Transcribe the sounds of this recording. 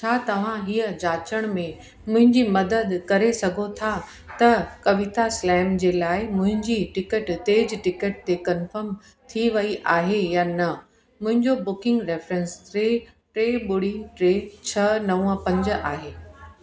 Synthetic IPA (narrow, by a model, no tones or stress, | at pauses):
t͡ɕʰaːt̪ɐʋ̤ãɦijəd͡ʑaːt͡ɕəɽ̃mẽ | mʊ̃ɦɪ̃ɲd͡ʑimɐd̪əd̪kɐɾesɐɡʱot̪ʰa | t̪ɐkɐʋɪt̪aslɛːmd͡ʑeːlaːɪmʊ̃ɦɪ̃ɲd͡ʑiʈɪkəʈt̪eːd͡ʑʈɪkəʈ̚t̪ekɐnfəɾm | t̪ʰiʋɐiʔaːɦejaːnɐ | mʊ̃ɦɪ̃ɲd͡ʑobʊkɪ̃ŋɡɾeːfɾə̃nsɾeː | ʈɾeːbʊɽɪ̃ŋɡʈɾeːt͡ɕʰɐnɐə̃pɐ̃ɲd͡ʑaːɦeː